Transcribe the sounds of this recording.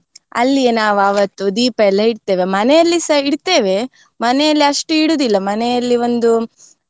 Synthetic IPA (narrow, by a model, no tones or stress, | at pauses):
ɐ̰lːienaːʋaʋɐt̪ːud̪iːpɐɛlːɐiɽt̪e̞ːʋemɐnɛjɐlːisɐiɽt̪e̞ːʋe̞ | mɐnɛjɐlːiɐʂʈuiɽuːd̪ilːɐmɐnɛjɐlːio̞nd̪u